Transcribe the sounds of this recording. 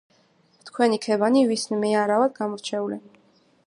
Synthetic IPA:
t̪ʰkʰwɛnikʰɛbanivisnmɛaɾavad̪̚ɡamɔɾt͡ʃʰɛulɛ

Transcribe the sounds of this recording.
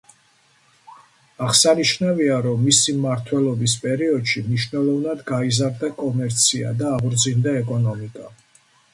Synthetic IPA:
aʁsaniʃnaviaɾɔmːisimaɾt̪ʰwɛlˠɔbispʼɛɾiɔd̪ʃimniʃvnɛlˠɔvnad̪ɡaizaɾd̪akʼɔmɛɾt̪sʰia̰d̪aːʁɾd̪zind̪aɛkʼɔnɔmikʼa

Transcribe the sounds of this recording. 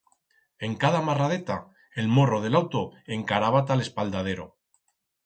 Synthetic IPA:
e̞ŋkaðamaraðet̪a | e̞lmo̞ro̞ð̞e̞lawt̪o̞e̞ŋkaɾaβat̪ale̞spald̪að̞e̞ɾo̞̰

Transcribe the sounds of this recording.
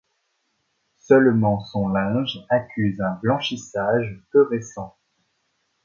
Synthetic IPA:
sœlmɑ̃sɔ̃lɛ̃ʒakʲʰyzɛ̃blɑ̃ʃisaʒpøʁesɑ̃

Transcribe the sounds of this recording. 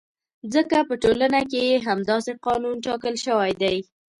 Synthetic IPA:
zəkapəʈolanakejeɦamd̪ɑseqɑnunʈɑkəlʃəwajd̪aj

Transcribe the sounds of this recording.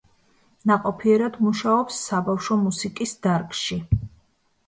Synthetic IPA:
naqʼɔpʰiɛɾad̪muʃaɔpsːabafʃɔmusikʼisd̪aɾkʼʃi

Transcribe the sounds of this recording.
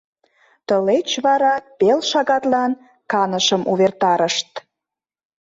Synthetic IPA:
t̪əlet͡ɕβɑɾɑpelʃɑɣɑt̪lɑn | kɑnəʃəmʔuβert̪ɑɾəʃt̪̚

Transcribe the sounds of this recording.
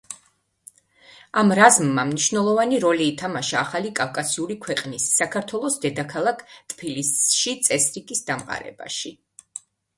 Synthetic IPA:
amɾazmːamniʃvnɛlˠɔvaniɾɔliːt̪ʰamaʃaːχalikʼafkʼasiulikʰwɛqʼnisːakʰaɾt̪ʰwɛlˠɔsd̪ɛd̪akʰalˠakʰt̪ʼpʰilisʃit̪sʼɛsɾikʼisd̪amqʼa̰ɾɛ̰ba̰ʃi

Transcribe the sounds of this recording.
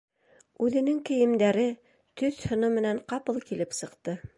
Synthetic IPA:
ʉðɘ̆nɘŋkɘ̆jɘ̆md̪æɾɘ | t̪ɵθhŏnɤmɘ̆næɴqɑpɤlˠkilɘpsɤ̆qt̪ɤ

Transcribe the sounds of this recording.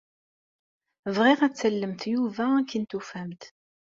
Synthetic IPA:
vʁiʁæt͡sːəlːəmt̪juvæækːənt̪ufæmt̪

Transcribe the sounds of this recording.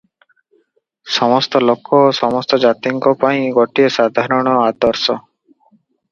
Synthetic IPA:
sɔmɔst̪ɔlokːɔsɔmɔst̪ɔd͡ʒat̪iŋkɔpaĩɡɔʈiesad̪ʱaɾɔɽ̃ɔad̪ɔɾsɔ

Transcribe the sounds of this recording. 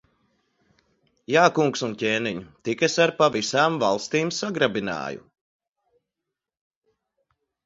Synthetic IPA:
jaːkuŋksuncʲeːniɲut̪ikesaɾpavisaːmvalˠst̪iːmsaɡɾabina̰ːjṵ

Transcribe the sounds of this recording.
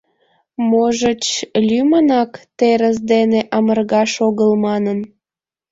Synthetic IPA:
moʒət͡ɕlʲymənɑkt̪eɾəs̬d̪eneʔɑmərɣɑʃoɣəlmɑnən

